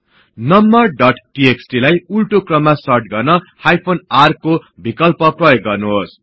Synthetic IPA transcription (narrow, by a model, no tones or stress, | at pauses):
nʌmbʌrɖʌʈʈieksʈilajulʈokrʌmːasʌrʈɡʌrnʌhajpʰonarkobʱikʌlpʌprʌjoɡːʌrnuɦos